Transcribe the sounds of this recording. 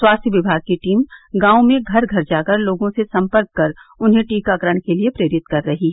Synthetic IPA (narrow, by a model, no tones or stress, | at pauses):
swaːst̪ʰjəʋɪbʱaːɡ̚kiʈiːmɡãːũmẽɡʱɐɾɡʱɐɾd͡ʒaːkəɾloːɡõsesɐ̃mpəɾkːɐɾʊnɦẽʈiːkaɡɾəɽ̃keliepɾeːɾɪt̪kɐɾːɐɦiɦɛː